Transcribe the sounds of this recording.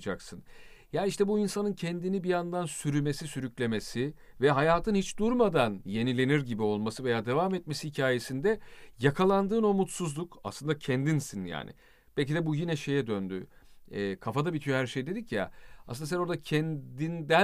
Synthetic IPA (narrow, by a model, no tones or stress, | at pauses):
d͡ʒaksɯnjaːniiʃt̪ʰɛbuinsanɯncʰɛnd̪inibijand̪ansyɾyme̞sisyɾyclʲe̞me̞sɪ | vɛɦajaːt̪ʰɯnhit͡ʃd̪uɾmad̪anje̞nilʲe̞niɾɟibio̞lˠmasɯve̞jaːd̪e̞vamɛt̪̚me̞sihicʰaːje̞sind̪ɛjakʰalˠand̪ɯːno̞mut̪suzlˠuka̰slˠɯnd̪acʰɛnd̪insinja̰ːnɪ̰ | b̥ɛlʲc̬id̪ɛbujinɛʃe̞jɛd̪ønd̪y̰ | ɛːkʰafad̪abit̪ʰyjhæɾʃejd̪e̞d̪icja̰a̰slɯnasɛno̞ɾd̪acʰɛnd̪ind̪æ